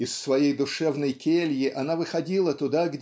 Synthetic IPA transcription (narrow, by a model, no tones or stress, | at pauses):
ɪsːvɐjejd̪ʊʂɛvnəjkʲelʲjɪʔɐnavɨxɐdʲilˠət̪ʊd̪aɡdʲ